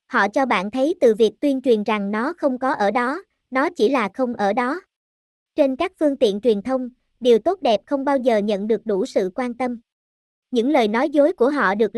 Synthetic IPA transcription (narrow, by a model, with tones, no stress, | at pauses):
hɔ̰˧˨t͡ɕɔ˧ɓa̰ː˧˨nt̪ʰə˨˦jt̪ɨ̰˨˩vi˨˩ək̚t̪wi˧ənt͡ɕwi˨˩ənza˨˩ŋnɔ˨˦xə˧wŋ͡mkɔ˨˦ʔəː˧˩ɗɔ˨˦ | nɔ˨˦t͡ɕi˧˩laː˨˩xə˧wŋ͡mʔəː˧˩ɗɔ˨˦ | t͡ɕe˧nkaː˦˥k̚fɨ˧əŋt̪ḭ˧˨ənt͡ɕwi˨˩ənt̪ʰə˧wŋ͡m | ɗi˨˩əwt̪o˦˥t̚ɗɛ˨˩p̚xə˧wŋ͡mɓaː˧wzəː˨˩ɲə̰˧˨nɗɨ˨˩ək̚ɗu˧˩sɨ̰˧˨kwaː˧nt̪ə˧m | ɲɨ̰˧˥ŋləː˨˩jnɔ˨˦jzo˨˦jku˧˩əɦɔ̰˧˨ɗɨ˨˩ək̚